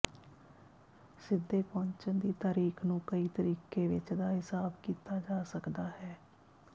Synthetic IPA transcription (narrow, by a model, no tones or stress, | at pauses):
sɪd̪ːeːpɔ̃ɲt͡ʃənd̪iːt̪aːɾiːkʰnũːkəiːt̪əɾiːkeːʋɪt͡ʃd̪aːɦɪsaːbkiːt̪aːd͡ʒaːsəkd̪aːhɛː